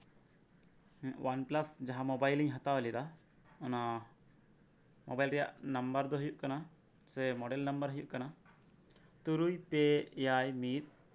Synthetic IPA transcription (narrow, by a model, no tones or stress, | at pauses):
wanplasd͡ʒaɦamɔbajliŋɦat̪awɛlid̪a | ɔna | mɔbajlɾɛja̰ʔnambəɾd̪ɔɦujuʔkana | sɛmɔɖɛlnambəɾɦujuʔkana | t̪uɾujpejajmit̪̚